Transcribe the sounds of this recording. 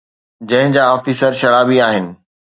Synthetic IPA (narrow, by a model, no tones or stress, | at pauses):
d͡ʑɐ̃ɦɪ̃d͡ʑaːɔːfiːsəɾʃɐɾaːbiaːɦɪnɪ̆